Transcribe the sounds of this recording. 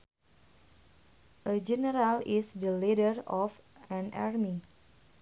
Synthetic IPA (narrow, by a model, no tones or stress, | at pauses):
ʔəd͡ʒɛnəɾalisdəlidərɔfãna̰rmi